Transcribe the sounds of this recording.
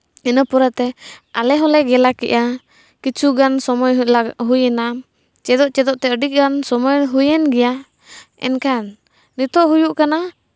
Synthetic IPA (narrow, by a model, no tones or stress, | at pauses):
inəpuɾat̪ɛalɛɦɔlɛɡɛlakɛ̰ʔa | kit͡ʃuɡansɔmɔjlaɦujɛna | t͡ʃɛd̪ɔʔt͡ʃɛd̪ɔʔt̪ɛəɖiʔ̚ɡansɔmɔjɦujɛnɡɛja | ɛ̰nkan | nit̪ɔʔɦujuʔkana